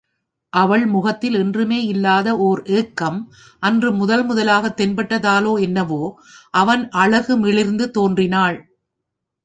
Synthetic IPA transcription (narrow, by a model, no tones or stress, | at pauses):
ʔɐʋɐɭmʊɣɐt̪ːɪlɛndrɯmeːɪlːaːðɐʔoɾʔeːkːɐm | ʔɐndrɯmʊðɐlmʊðɐlaːɣɐt̪ːɛnbɐʈːɐðaːloːɛnːɐʋoː | ʔɐʋɐnʔɐɭɐɣɯmɪɭɪɾnd̪ɯt̪oːndrɪnaːɭ